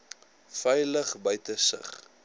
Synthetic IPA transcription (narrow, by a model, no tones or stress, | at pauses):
fɛjləχbœɥtəsə̰χ